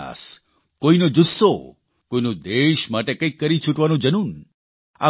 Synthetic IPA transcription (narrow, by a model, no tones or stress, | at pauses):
a̰s | kojnod͡ʒusːo | kojnud̪eʃmaʈekejkːəɾit͡ʃʰuʈʋanũd͡ʒənun | a̰